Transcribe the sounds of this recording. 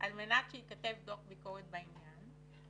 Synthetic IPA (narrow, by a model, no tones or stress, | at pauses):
ʔalmenat̪ʃeit̪̚kat̪evd̪okbikoʁed̪̚bainjan